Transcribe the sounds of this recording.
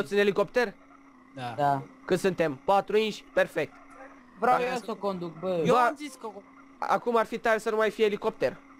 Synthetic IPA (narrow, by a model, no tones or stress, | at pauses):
ot̪sɨneliko̞pt̪e̞r | aakɨnsɨnt̪e̞mpat̪ɾuinʃʲpe̞rfe̞k̚t̪ | vɾaaeesokond̪uk̚bəjazisko | a̰kumarfit̪aɾesənumajfijeliko̞p̚t̪er